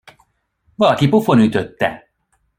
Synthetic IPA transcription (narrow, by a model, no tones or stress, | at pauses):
ʋɒlɒkipufo̞nyt̪øt̪ːɛ̰